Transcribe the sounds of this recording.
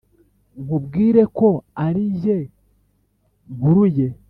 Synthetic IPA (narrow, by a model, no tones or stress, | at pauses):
mubɡiːɾe̞ko̞aɾije̞ | ɡuɾuje̞